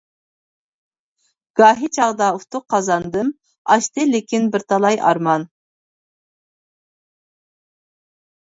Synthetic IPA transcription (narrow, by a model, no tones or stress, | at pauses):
ɡ̥ɑːɦit͡ʃʰɑʁd̪ɑuft̪ʰʊqʰːɑzɑnd̪ɨm | ɑ̰ʃt̪ɨlɪkʲinbɪɾt̪ʰɑlˠɑjʔɑ̰ɾmɑn